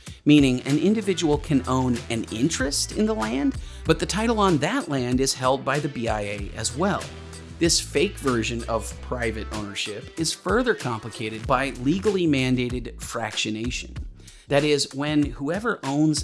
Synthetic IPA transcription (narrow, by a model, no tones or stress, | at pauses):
mĩnɪ̃ŋɨ̰̃nɪ̃ndɨvɪd͡ʒəwl̩ˠkʰɨ̃nõʊ̃nɨ̃nɪ̰̃nt͡ʃɹ̥ɨstɨ̰̃nðəlæ̃nd | b̥ʌt̪̚ðɨtʰaɪɾl̩ˠə̃nðɨʔˡlæ̃ndɨz̥hɛlˠd̚baɪðɨbiaɪeɪʔɨ̰zwɛlˠ | ðɪsfeɪkvɜ˞ʒɨ̃nʌv̥pʰɹ̥aɪvɨɾõ̰ʊ̃nə˞ʃɪpɨz̥fɜ˞ðə˞kʰɑ̃mpləkʰeɪɾɨd̚baɪliɡl̩ˠimæ̃ndeɪɾɨd̥fɹækʃɨneɪʃɨ̰̃n | ðɨɾɪzwɨ̃nhuɛvə˞ʔõʊ̃nz̥